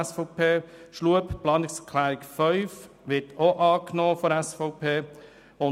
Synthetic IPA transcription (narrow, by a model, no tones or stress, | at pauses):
sfɔʊpʰeːʃluəpplɑːnɪkskʰlæːɾɪkfœʏf | ʋɪtoʔɑːknoːfɔɾɛsfɔʊpʰeː | ʊ